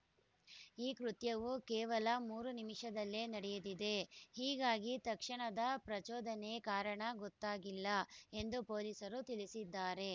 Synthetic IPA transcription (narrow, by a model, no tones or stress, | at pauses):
iːkɾut̪jɐʋukɛːʋɐlɐmuːɾunimiʂɐd̪ɐlːeːnɐɽɛjud̪id̪e̞hiːɡaːɡit̪ɐkʂɐɳɐd̪ɐpɾɐt͡ʃɔːd̪ɐnekaːɾɐɳɐɡɔt̪ːaːɡilːɐe̞nd̪upoːlisɐɾut̪ilisid̪ːaːɾe̞